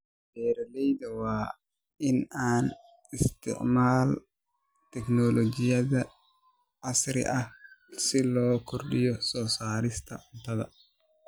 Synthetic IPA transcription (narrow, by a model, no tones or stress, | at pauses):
b̥ɛːɾɐlɛjd̪ɐwaː | ɪnaːn | ɪst̪ɪ̰ʔmaːl | t̪ɛknɔlɔd͡ʒɪjɐðɐ | ʔɐsɾɪ̰ʔɐhsɪloːkʰɔrɗɪjɔsɔːsaːlɪst̪ʰɐ̰ʔʊnt̪ɐðɐ̰